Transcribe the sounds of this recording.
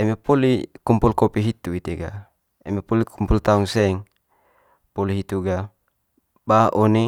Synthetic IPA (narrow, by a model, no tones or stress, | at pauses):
ɛmepolikumpulkopiɦit̪uit̪eɡa̰ | emepolikʰumpult̪auŋsɛŋ | poliɦit̪uɡa | baʔone